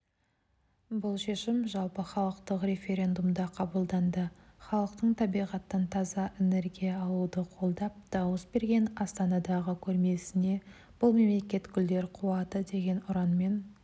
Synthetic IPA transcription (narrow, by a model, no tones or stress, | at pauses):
bʊlˠʃe̞ʃɪmʒɑlˠpəχɑlˠəqt̪əqɾe̞fʲe̞ɾʲe̞nd̪umd̪ɑqʰɑbəlˠd̪ɑnd̪əχɑlˠəqt̪əɴt̪ʰɑbijʁɑt̪ːɑnt̪ʰɑzɑʔɪne̞ɾɡʲijɑːlˠud̪əqʰo̞lˠd̪ɑp̚d̪̥ɑwəsbe̞ɾɡʲe̞nɑst̪ɑnɑd̪ɑʁəkʲʰɵɾme̞sɪne̞ | b̥ʊlˠme̞mle̞kʲe̞t̪kʲʰʏld̪e̞ɾqʰuwɑt̪əd̪e̞ɡʲe̞nʊɾɑnme̞n